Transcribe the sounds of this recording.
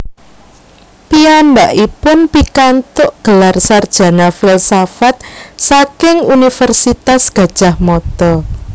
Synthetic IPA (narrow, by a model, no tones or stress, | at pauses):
piambaʔipʊnpikant̪ʊʔɡ̥əlarsard̥ʒ̥a̤nafɪlsafat̪̚sakɪŋunifərsit̪asɡ̥a̤d̥ʒ̥ahmɔt̪ɔ